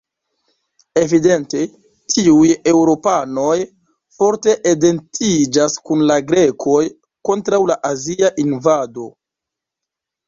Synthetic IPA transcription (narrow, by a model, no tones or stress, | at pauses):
e̞vide̞nte̞ | tʰiuje̞wɾo̞pano̞j | fo̞ɾte̞ʔede̞ntʰid͡ʒaskunlaɡɾe̞kʰo̞j | ko̞ntɾawlaʔaziaʔinvado̞